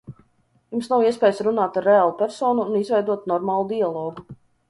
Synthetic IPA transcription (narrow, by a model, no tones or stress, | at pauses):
jumsnawiɛs̬ʲpʲɛːjsɾunaːt̪aɾːeaːlˠupʲɛɾsɔːnuːnizvɛjd̪uɔt̪nɔɾmaːlˠud̪ialˠɔːɡu